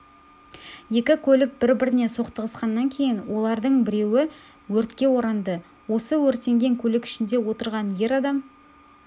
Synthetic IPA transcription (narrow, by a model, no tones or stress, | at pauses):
je̞kʲɪkʲʰɵlɪk̚b̥ɪɾbɪɾɪne̞so̞qt̪əʁəsqɑnːɑŋkʲʰe̞jɪnwo̞lˠɑɾd̪əɴbɪɾe̞wɪ | wɵɾt̪kʲe̞wo̞ɾɑnd̪ə | wo̞səwɵɾt̪ːe̞ŋɡʲe̞ŋkʲʰɵlɪkɪ̥ʃɪnd̪e̞wo̞t̪əɾʁɑnje̞ɾɑd̪ɑm